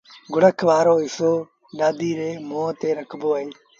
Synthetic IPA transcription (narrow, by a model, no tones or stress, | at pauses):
ɡʊɽəkʰʋaːɾoːɪsoː | ɗaːd̪iːɾeːmoːt̪eːɾəkʰboːɦeː